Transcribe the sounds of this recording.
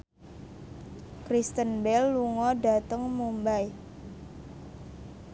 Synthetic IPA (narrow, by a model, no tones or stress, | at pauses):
kɾist̪ənbɛlːuŋɔɖa̤t̪əŋmumbaj